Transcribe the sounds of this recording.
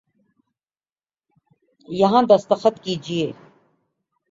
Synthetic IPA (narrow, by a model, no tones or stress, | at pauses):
jɐɦãd̪ɐst̪əxət̪kiːd͡ʒieː